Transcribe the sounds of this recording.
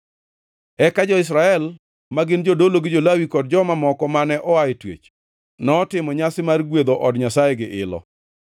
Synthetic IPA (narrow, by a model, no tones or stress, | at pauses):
ɛkad͡ʒɔɪs̬ɾaɛl | maɡɪnd͡ʒodoloɡɪd͡ʒolawikɔd̚d͡ʒɔmamɔkɔmanɛʔɔaetwḛt͡ʃ | nɔtɪmɔɲasɪmarɡwed̪oʔɔdɲasajeɡɪʔɪlɔ̰